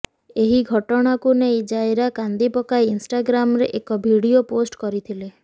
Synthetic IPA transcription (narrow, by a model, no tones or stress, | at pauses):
eɦiɡʱɔʈɔɽ̃akunejd͡ʒajɾakand̪ipɔkajinsʈaɡɾamɾeʔekɔbʱiɽioposʈkɔɾit̪ʰile